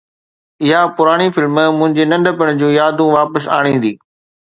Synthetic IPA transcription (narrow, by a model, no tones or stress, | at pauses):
ɪɦapʊɾaːɽ̃ifɪlmmʊ̃ɦɪ̃ɲd͡ʑeːnɐ̃ɳɖʱəpɪɽ̃d͡ʑũːjaːd̪ũʋaːpəsa̰ːɽ̃ĩːn̆d̪iː